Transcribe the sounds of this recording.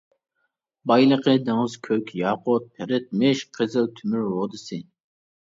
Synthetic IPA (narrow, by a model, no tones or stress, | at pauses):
bɑjlˠəqəd̪ɨŋəz̥kʲʰøkʲjɑːqʊt̪̚pʰɪɾɪt̪̚mɪʃqʰəzɨlt̪ʰymyɾwod̪ɨsɨ